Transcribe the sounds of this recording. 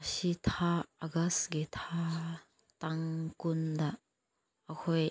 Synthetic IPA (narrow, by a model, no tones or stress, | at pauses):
sitʰaɐɡasɡetʰa | taŋkund̪aː | kʰɔj